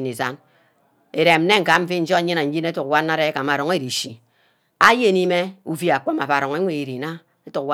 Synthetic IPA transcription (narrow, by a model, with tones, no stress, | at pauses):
ne˨za˦n | e˨ɾe˨m̩˦ne˦ŋ̩˨ka˨˦m̩˦fi˦n̩˦d͡ʒɔ˦ɲi˦na˨n̩˦d͡ʒi˦ne˦tu˨kwa˦na˦ɾe˦e˦ka˨ma˨ɾɔ˨ŋe˦ɾi˨ʃi˨ | a˦je˦˨ni˦me˦u˨vi˦a˨k͡po˦ma˨ba˨ɾɔ˨ŋe˦ŋʷe˨i˨ɾi˨na˦ | e˦tu˨kwa˦